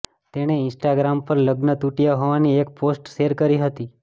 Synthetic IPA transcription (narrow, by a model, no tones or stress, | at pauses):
t̪eɽ̃eɪnsʈaɡɾampəɾləɡnət̪uʈijaɦoʋaniekposʈʃeɾkəɾiɦət̪i